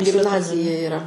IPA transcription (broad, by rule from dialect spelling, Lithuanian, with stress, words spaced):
ɡʲɪmˈnɑːzʲɪjɛ ɪˈrɐ